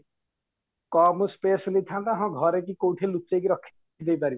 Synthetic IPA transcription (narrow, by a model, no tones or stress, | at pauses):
kɔmuspeslid̪ʰʱãt̪aɦɔ̃ɡʱɔɾeʈ̬ikowʈʰelutːt͡ʃejkiɾɔkʰː | id̪ejpaɾi